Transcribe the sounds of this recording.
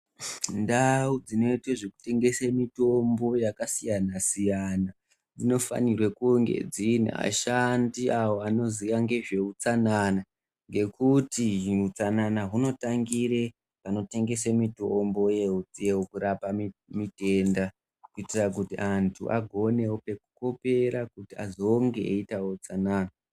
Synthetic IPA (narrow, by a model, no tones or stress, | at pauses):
ndaud͡zino̞itweʐe̞ku̥te̞ŋɡe̞semito̞mbo̞jakasijanasijana | d͡zino̞fa̰nirwe̞kuŋɡe̞̰d͡zin̰a̰ʃandiawo̞ano̞ziʋaŋɡe̞ʐe̞ut͡sanana | ŋɡe̞kutiut͡sananaɦuno̞taŋɡire̞ | pano̞te̞ŋɡe̞semitoombo̞jeut͡sijewokuɾapammite̞nda | kuitirak̬utiʔantʰṵʔa̰ɡʱo̞ne̞wope̞kuko̞pe̞ɾakutia̰zo̞ŋɡe̞eitawot͡sanaːna